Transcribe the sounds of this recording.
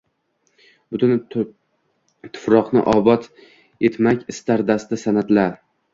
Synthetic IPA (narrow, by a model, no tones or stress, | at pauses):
bʊt̪ʰʊn | t̪ʰʊ̥fɾɒqnɪ̰ʔɒbɒt̪ | e̞t̪makʲɪst̪aɾd̪ast̪ɪsanat̪laɾ